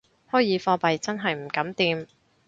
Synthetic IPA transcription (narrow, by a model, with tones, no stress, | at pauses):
hɔː˨˥jiː˨˥fɔː˧pɐ˨jt͡sɐ˥nɦɐ˨jm̩˨˩kɐ˨˥mt̪iː˧m